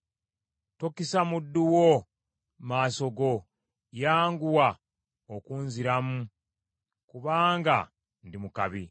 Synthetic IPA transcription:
tokisamudːuwo | maːso̞ɡo̞ | jaːŋɡuwa | okuːnziɾamu | kuβaːŋɡa | ndimukaβi

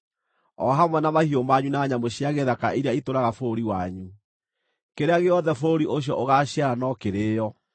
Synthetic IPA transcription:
ɔ̰ɦamwɛnamahiomaɲunaɲamoɕiaɣeðakaʔiɾeaitoɾaɣafoːɾiwaɲu | keɾeaɣeɔðɛfoɾiʔoɕ̬jɔʔoɣaɕjaanɔkeɾeːjɔ

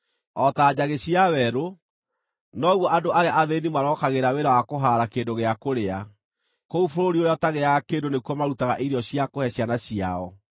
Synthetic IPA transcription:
ɔtaːd͡ʑaɣeɕiawɛɾo | nɔɣwɔʔadoʔaɾeaʔaðenimaɾɔkaɣeɾaweɾawakoɦaɾakendoɣeakoɾea | koufoɾoɾiojataɣeakeːndonekuɔmaɾutaɣaʔiɾiɔɕiakohɛɕjanaɕia̰ɔ

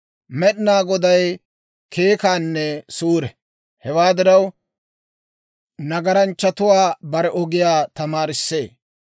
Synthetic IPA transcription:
mɛɗnaːɡɔd̪ɐj | kʰeːkaːnːɛsuːɾɛ | hɛwaːd̪ɪɾɐw | nɐɡɐɾɐnt͡ʃːɐt̪ʊwaːbɐɾɛʔɔɡɪjaːt̪ɐmaːɾɪsːe̞̰ː

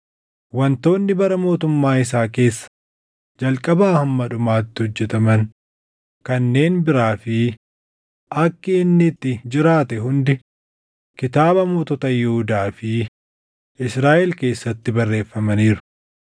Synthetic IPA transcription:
wɐnt̪o̞ːnːɪbɐɾɐmo̞ːt̪ʊmːaːɪs̬aːke̞ːsːɐ̥ | d͡ʒɐlkʼɐbaːhɐmːɐᶑʊmaːt̪ːɪhɔd͡ʒːɛt̪ɐmɐn | kɐnːe̞ːnbɪɾaːfɪ | ʔɐkːɪɪnːɪt̪ːɪd͡ʒɪɾaːt̪ɛɦʊnd̪ɛ | kɪt̪aːbɐmoːt̪ɔt̪ɐjɛhʊd̪aːfɪ | ʔɪsɾaːʔɛlke̞ːsːɐt̪ːɪbɐrːe̞ːfːɐmɐniːɾʊ̥

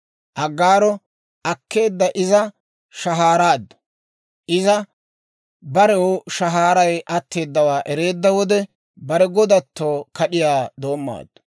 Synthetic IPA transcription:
ʔɐɡːaːɾɔ | ʔɐkʰːe̞ːd̪ːɐʔɪzɐ | ʃɐɦaːɾaːd̪ːʊ̥ | ʔɪzɐ | bɐɾɛʃɐɦaːɾɐjʔɐt̪ːe̞ːd̪ːɐwaːʔɛɾe̞ːd̪ːɐwɔd̪ɛ | bɐɾɛɡɔd̪ɐt̪ːoːkɐɗɪjaːd̪o̞ːmːa̰ːd̪̥ːʊ̥

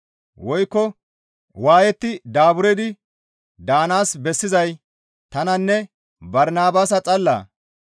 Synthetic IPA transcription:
wɔjkːɔ | waːjɛt̪ːɪd̪aːbʊɾɛd̪ɪ | d̪aːnaːsbɛsːɪzɐj | t̪ɐnɐnːɛ | bɐɾnaːbaːsɐt͡sʼɐlːa̰ː

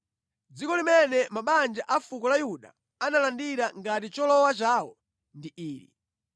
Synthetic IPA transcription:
d͡zikɔlimɛnɛmaɓand͡ʒaʔafukɔlajuɗa̰ | analandiɾaŋɡatit͡ʃɔlɔwat͡ʃaːwɔ | ndiʔiːɾḭ

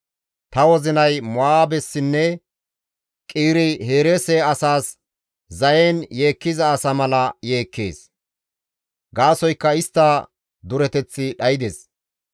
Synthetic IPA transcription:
t̪ɐwɔzɪnɐjmɔaːbɛsːɪnːɛ | kʼiːɾɪhe̞ːɾeːsɛɐsaːs | zɐjenje̞ːkːɪzɐːsɐmɐlɐje̞ːkːe̞̰ːs | ɡaːsɔjkːɐɪst̪ːɐ | d̪ʊɾɛt̪ɛt͡sːɪɗɐjɪd̪es

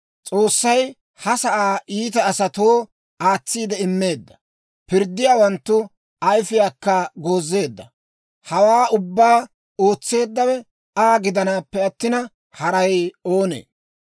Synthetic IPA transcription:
t͡sʼo̞ːsːɐj | hɐsɐʔaːʔiːt̪̬ɐːsɐt̪oː | aːt͡sːiːd̪ɛɪmːe̞ːd̪ːɐ̥ | pɪɾd̪ːɪjaːwɐnt̪ːʊ | ɐjfɪjaːkːɐɡo̞ːzːe̞ːd̪ːɐ | hɐwaːʊbːaː | o̞ːt͡sːe̞ːd̪ːɐwɛ | aːɡɪd̪ɐnaːpːɛɐt̪ːɪnɐ | hɐɾɐjo̞ːnḛː

